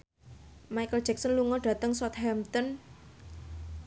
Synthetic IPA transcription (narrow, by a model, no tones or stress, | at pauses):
majkəl̥ʒ̥ɛksɔnluŋɔɖ̥a̤t̪əŋswɔt̪̚hɛmt̪ɔn